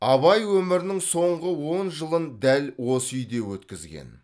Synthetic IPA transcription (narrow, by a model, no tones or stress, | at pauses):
ɑβɑjwɵmɪɾɪnɪŋso̞ɴʁəwo̞nʒəlˠənd̪ælwo̞səʏjd̪e̞wɵt̪kʲɪzɡʲḛn